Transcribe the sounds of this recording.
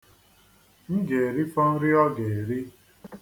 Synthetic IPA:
n̩˦d͡ʒe˨ɾi˦fɔ˦n̩˦ɾi˦ɔ˦ɡe˨ɾi˦

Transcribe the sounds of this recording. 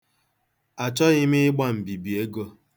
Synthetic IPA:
a˨t͡ʃɔ˦ɣɪ˦mɪ˦ɪ˦ɡ͡ba˦m̩˨bi˨bi˨e˦ɡo˦

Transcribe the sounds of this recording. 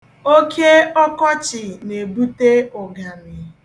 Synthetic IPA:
o˦kʰe˦ɔ˦kɔ˦t͡ʃɪ˨ne˨bu˦te˦ʊ˨ɡa˨nɪ˨

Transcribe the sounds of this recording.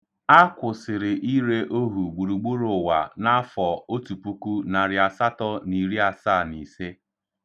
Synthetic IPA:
a˦kʷʊ˨sɪ˨ɾɪ˨ʔi˦ɾe˦ʔo˦ɦu˨ɡ͡bu˨ɾu˨ɡ͡bu˦ɾʊ˨wa̰˨na˦fɔ˨o˦tu˨pu˦ku˦na˨ɾɪ˨a˨sa˦tɔ˦ni˨ɾi˦a˨saː˦˨ni˨se˦

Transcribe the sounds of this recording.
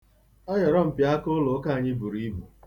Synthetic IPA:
ɔ˦jɔ˨ɾɔ˦m̩˨pja˦ko˦lo˨˦ka˦˨ɲɪ˦bu˨ɾi˦bu˨

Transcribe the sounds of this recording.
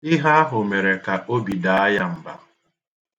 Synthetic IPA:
ɪ˦ɦa˦a˦ɦʊ˨me˨ɾe˨ka˨ʔo˦bi˨da˨a˦ja˦m̩˨ba˨

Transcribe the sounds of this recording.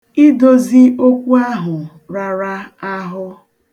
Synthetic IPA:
i˦do˦zi˦ʔo˦kʷu˦a˦ɦʊ˨ | ɾa˨ɾa˦a˦ɦʊ˦

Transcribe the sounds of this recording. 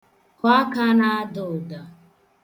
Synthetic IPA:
ka˦ka˦na˦dʊ˨da˨

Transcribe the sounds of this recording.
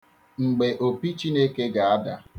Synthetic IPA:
ŋ͡m̩˨ɡ͡be˨ʔo˨pi˦t͡ʃi˦ne˦ke˦ɡa˨a˦da˨

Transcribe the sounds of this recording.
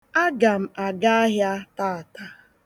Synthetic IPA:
a˦ɡa˨m̩˨a˨ɡa˦a˦ɦja˦taː˦˨a˨ta˦

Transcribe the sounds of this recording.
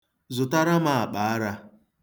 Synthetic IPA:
zʊ˨ta˦ɾa˦ma˨a˨k͡pa˨a˦ɾa˦

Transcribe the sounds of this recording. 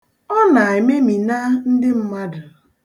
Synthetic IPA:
ɔ˦na˨ɪ˨me˦mi˨na˦n̩˦dɪ˦m̩˦ma˦dʊ˨

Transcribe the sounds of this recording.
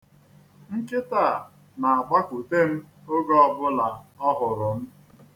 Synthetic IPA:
ŋ̩˦kɪ˦taː˦˨ | na˨a˨ɡ͡ba˦ku˨te˦m̩˦ | o˦ɡɔ˦ɔ˦bʊ˦la˨ɔ˦ɦʊ˨ɾʊ˨m̩˦

